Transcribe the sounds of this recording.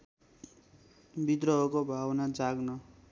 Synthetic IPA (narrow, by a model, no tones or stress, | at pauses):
bid̪ɾʌɦʌkobʱawnad͡zaɡnʌ